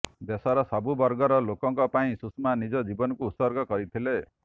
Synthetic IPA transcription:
b̪esɔɾɔsabubɔɾɡɔɾɔlokɔŋkɔpaĩsusmanid͡ʒɔd͡ʒibɔnɔkuːt̪sɔɾɡɔkɔɾit̪ʰile

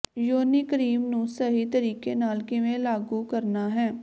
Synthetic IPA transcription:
joːnikəɾiːmnũsəɦit̪əɾiːkenaːlkeʋẽlaːɡukəɾnaɦɛː

